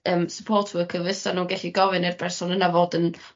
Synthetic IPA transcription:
əːmsəpʰoːtʰəəkʰəvəsanuːnɡɛɬiɡɔvɨnɪrb̥ʰɛrsɔnənavoːdən

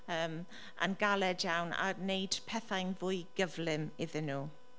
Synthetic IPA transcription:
əːm | ʔə̰nɡalɛdjawna̰nejd̥pʰɛθajnvʊɨɡəvlɪmɪðɪnuː

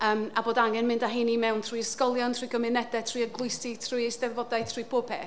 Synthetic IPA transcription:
əːmaboːdaŋɛnmɪ̃ndaɦenimɛwntʰr̥uiɪskɔlˠjɔntʰr̥ijɡəmɪnɛdɛtʰr̥uiəɡlˠʊɨsitʰrujesdɛðvɔdajtʰr̥iːpʰoːpʰɛ

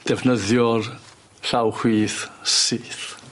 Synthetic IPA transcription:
d̥ɛvnəðjɔr | ɬawhwiːθsiːθ

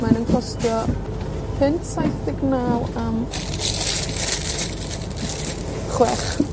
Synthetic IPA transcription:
manənkʰɔstjɔ | pʰɪntʰsajθdɪɡnaːlam | χwɛχ

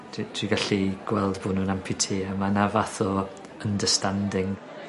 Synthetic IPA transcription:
dʰitʰwiɡaɬiɡ̥wɛlˠdboːnuːnampʰitʰiːəmanavaθɔ | əndəstandɪŋ

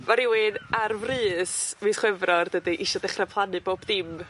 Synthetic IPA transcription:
maɾɪwɪnarvrɨːsviːsχwɛvrɔrdədiʔiʃɔdɛχrapʰlˠanɨboːb̥dɪm

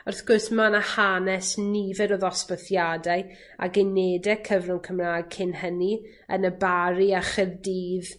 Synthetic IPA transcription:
ɔrθɡ̥ʊrsmanahanɛsnivɛɾɔðɔspəθjadaɨ | a̰ɡejneːdɛkʰəvrʊŋkʰəmraːɡ̚kʰɪnɦəni | ənəbaɾiaχɛðdiːð

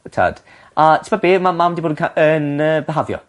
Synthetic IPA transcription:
tʰa̰ːd̥ | atʰɪmabeːmamamdiboːdənkʰaʔənəːbəɦavjɔ̰

